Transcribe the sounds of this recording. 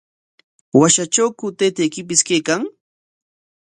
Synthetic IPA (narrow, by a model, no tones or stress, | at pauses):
waʃat͡ʃawkʊt̪ejt̪ajkɪpɪskejkaŋ